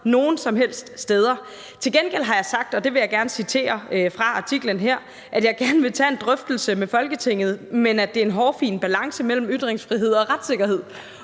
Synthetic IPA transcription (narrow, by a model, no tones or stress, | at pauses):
no̝ːn̩sɒ̽mɦel̰sd̥sd̥eːð̞ˠɐ | t͡sʰe̝lɡenɡ̥el̰ɦɑ̈jɑ̈ɪsɑ̈ɡ̥̚d̥ɒ̽d̥e̝ʋe̝jɑ̈ɪɡ̥æɐnəsit͡sʰe̝̰ːɐfʁɑ̈ɑ̈t͡sʰiɡ̥lənɦeɐ̰ | ʔæd̥jɑ̈ɪɡ̥æɐnəʋe̝t͡sʰɛe̝nd̥ʁœfd̥l̩səmefɒ̽lɡ̥ət͡sʰe̝ŋ̰ð̞̩ˠmenæd̥e̝ɐe̝nɦɒːfḭːnb̥ælɑ̈ŋsəmel̰m̩yd̥ʁeŋsfʁiɦe̝ð̞̰ˠɒ̽ʁad̥se̝ɡ̥ɐɦe̝ð̰ˠ